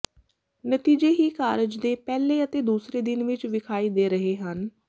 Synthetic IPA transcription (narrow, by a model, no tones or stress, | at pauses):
nət̪iːd͡ʒeːɦiːkaːɾɪd͡ʒd̪eːpɛːleːət̪eːd̪uːsɾeːd̪ɪnʋɪt͡ʃʋɪkʰaːiːd̪eːɾəɦeːɦən